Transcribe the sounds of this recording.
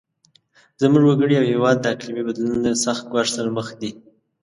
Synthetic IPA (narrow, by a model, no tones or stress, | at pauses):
zəmuʐwaɡəɽiawhewɑd̪̚ːəaklimibad̪lunod̪əsaxt̪̚ɡwɑʂsəɾaməxd̪i